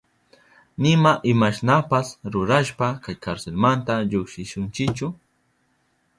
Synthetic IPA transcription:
nɪmaʔɪmaʃnapasɾʊɾaʃpakajkaɾselmant̪aʎʊkʃɪʃʊnt͡ʃɪkt͡ʃʊ

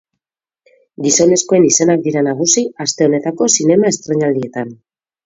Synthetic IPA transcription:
ɡiso̞ne̞sko̞e̞nise̞nak̚d̪iɾanaɣ̞usiast̪e̞o̞ne̞t̪ako̞sine̞mae̞st̪ɾe̞ɲald̪ie̞t̪an

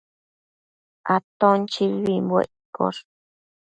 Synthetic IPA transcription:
ʔat̪õnt͡ʃiβimbwḛʔko̰ɾ

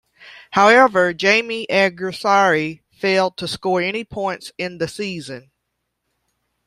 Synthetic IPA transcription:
haʊɛvə˞d͡ʒẽɪ̃miʔæɡɹɨsɑɹi | feɪlˠd̚tʰəskɔɹɛñipʰɔ̃ɪ̃ntsɪ̃nðɨsizɨ̃n

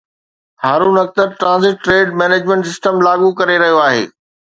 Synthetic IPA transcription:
haːɾũnɐk̚t̪əɾʈɾãːnzɪʈːɾeːɖmɛːneːd͡ʑmə̃ɳʈsɪsʈəmlaːɠukɐɾeɾɐɦijoaːɦḛː

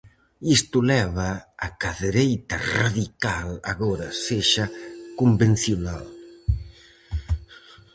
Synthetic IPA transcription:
ist̪ulɛβaːkaðeɾejt̪araðikala̰ɣɔɾaseʃakumbensiuna̰l

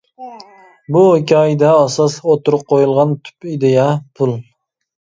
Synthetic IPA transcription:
bukʲʰɑid̪ɛɑsɑsot̪uɾʊq̚qʰojulˠʁɑnt̪ʰy̥pid̪ɪjɛpʰulˠ

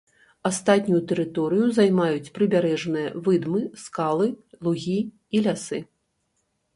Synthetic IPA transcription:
ast̪at̪ʲnʲujut̪ɛɾɨt̪ɔɾɨjuzajmajut͡sʲpɾɨbʲaɾɛʐnɨjɐ̰vɨd̪mɨskalˠɨlˠuɣʲi | ilʲasɨ

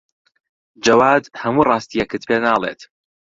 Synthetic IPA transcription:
d͡ʒɐwaːd̪hɐmuːrˤɑːst̪ijɛkɨt̪peːnaːlˠḛt̪

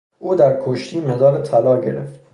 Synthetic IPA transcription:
ʔuːd̪æɾkʰoʃt̪ʰiːmezɒːɾet̪ʰælɒːɟe̞̰ɾeft̪

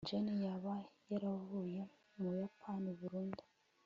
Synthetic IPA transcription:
d͡ʒenijaβajeɾavuje | mujapʰaneβuɾuːndḁ

